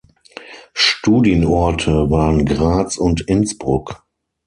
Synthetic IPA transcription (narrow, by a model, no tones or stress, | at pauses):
ʃtuːdjənɔɐtʰəvaːʁənɡʁaːt͡sʊntɪnsb̥ʁʊk